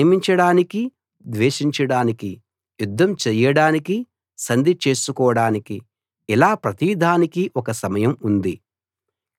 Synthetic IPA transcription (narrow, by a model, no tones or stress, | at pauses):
miɲt͡ʃɐɽaːniki | d̪ʋeːʂiɲt͡ʃɐɽaːniki | jud̪ʱːɐmt͡ʃɛjɐɽaːniki | sɐnd̪ʱit͡ʃeːsukɔːʋɐɽaːniki | ilaːpɾɐt̪iʋid̪ʱaːnikiʔɔkɐsɐmɐjɐmund̪i